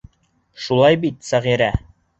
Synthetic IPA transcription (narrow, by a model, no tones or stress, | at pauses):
ʃulˠɑjbit̪sæʁiɾæ